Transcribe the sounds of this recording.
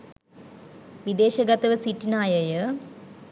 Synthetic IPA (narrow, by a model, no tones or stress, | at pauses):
ʋid̪eːɕɐɡɐt̪ɐʋɨsiʈːinaːjɐjɐ